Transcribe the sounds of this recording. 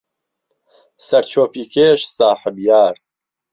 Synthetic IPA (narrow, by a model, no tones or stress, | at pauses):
sɐɾt͡ʃʰoːpiːkʰeːʃsaːħɨbjaːɾ